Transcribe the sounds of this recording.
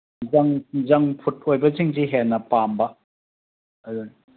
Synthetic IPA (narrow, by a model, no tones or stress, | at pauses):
zɐŋzɐŋpʰut̚ojbɐziŋziɦenɐpambɐ | ɐdun